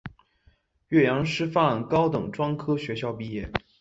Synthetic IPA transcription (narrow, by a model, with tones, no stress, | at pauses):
ɥɛ˥˩jɑ˧˥ŋʂɻ̩˥fa˥˩nkɑ˥ʊt̪ɤ˨˩ŋʈ͡ʂwɑ˥ŋkʰɤ˥ɕɥɛ˧˥ɕjɑ˥˧ʊpi˥˧jɛ˥˩